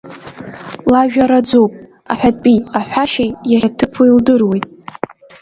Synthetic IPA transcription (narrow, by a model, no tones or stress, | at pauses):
laʒᶣaɾad͡zowpʼ | a̰ħʷᶣadʼpʼiaħʷᶣaʃejjaatʰɨpʰuildɨrwe̞jtʼ